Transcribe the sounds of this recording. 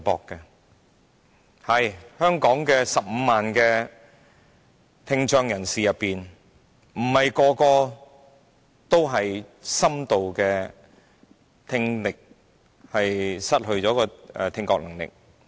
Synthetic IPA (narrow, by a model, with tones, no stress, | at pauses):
pɔ̰ː˧kːɛ˧ | hɐ˨jhœː˥ŋkɔː˨˥ŋkɛː˧sɐ˨p̚m̩ː˨˧maː˨nkɛː˧ | t̪ʰɪ˧ŋt͡ʃœː˧ŋjɐ˨˩nsiː˨jɐ˨pːiː˨n | m̩˨˩hɐ˨jkɔː˧kɔː˧ | t̪o˥wɦɐ˨jsɐ˥mt̪o˨wkɛː˧ | t̪ʰɪ˧ŋlɪ˨k̚ | hɐ˨jsɐ˥t̚hɵ˧ɥt͡sɔː˨˥kɔː˧ɛ̰ː˨˧t̪ʰɪ˧ŋkɔ̰ː˧k̚nɐ˨˩ŋlɪ̰˨k̚